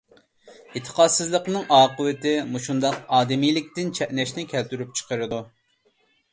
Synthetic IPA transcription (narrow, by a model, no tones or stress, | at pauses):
it̪ʰːə̥qʰɑd̪sɨzlˠəqnɨŋʔɑːqəwɪt̪ɪmuʃund̪ɑqɑːd̪ɪmijlɪk̚ʲt̪ɪnt͡ʃʰɛʔnɛʃnɪkʲʰɛlt̪yɾyp̚t͡ʃʰə̥qʰəɾɨd̪u